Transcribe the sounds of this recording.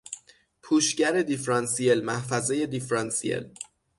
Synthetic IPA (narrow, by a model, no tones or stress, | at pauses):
pʰuːʃɟæɾe̞d̪ifɾɒnsielmæhfæzeje̞d̪ifɾɒnsiḛl